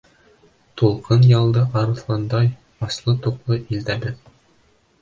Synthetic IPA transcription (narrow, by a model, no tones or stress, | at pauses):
t̪ulˠqʰɤnjɑlˠd̪ɤʔɑɾɤ̆θlˠɑnd̪ɑj | ɒslˠɤt̪uqlˠɤʔild̪æbɘð